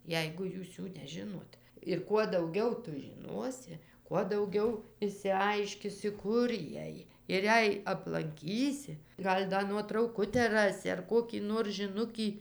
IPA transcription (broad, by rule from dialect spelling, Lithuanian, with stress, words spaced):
ˈjɛɪɡʊ ˈjuːs ˈjuː nʲɛˈʒʲɪnoːt ɪr kuɔ dɐʊˈɡʲɛʊ ˈtʊ ʒʲɪˈnuɔsʲɪ kuɔ dɐʊˈɡʲɛʊ ɪʃʲsʲɪˈɐɪʃʲkʲɪsʲɪ ˈkʊr ˈjiɛj ɪr ˈjɛɪ ɐplˠɐŋʲˈkʲiːsʲɪ ˈɡɐlʲ ˈdɐ nuɔtrɐʊˈkʊtʲæː ˈrɑːsʲɪ ɐr ˈkoːkʲiː noːr ʒʲɪˈnʊkʲiː